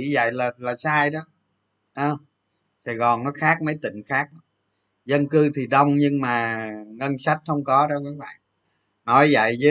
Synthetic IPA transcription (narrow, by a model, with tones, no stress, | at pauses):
i˧˩zə̰˧˨jlaː˨˩laː˨˩saː˧jɗɔ˨˦ | ʔəː˧˩ | sa˧˩jɣɔ˨˩nnɔ˨˦xaː˦˥k̚mə˨˦jt̪ḭ̈˧˨ŋ̟xaː˦˥k̚ɗɔ˨˦ | zə˧nkɨ˧t̪ʰi˨˩ɗə˧wŋ͡mɲɨ˧ŋmaː˨˩ŋə˧nsa˦˥jt̚xə˧wŋ͡mkɔ˨˦ɗɔ˨˦ka˨˦˥k̚ɓa̰ː˧˨n | nɔ˨˦jvə̰˧˨jzɨ˨˦